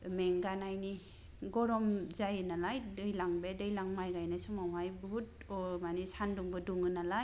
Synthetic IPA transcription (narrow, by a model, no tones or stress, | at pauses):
meŋɡanajni | ɡɔɾɔmzajɯnalajdɯjlaŋbedɯjlaŋmajɡajnasumawajbɔɦut̚ | ɔmanisanduŋbɯduŋɯnalaj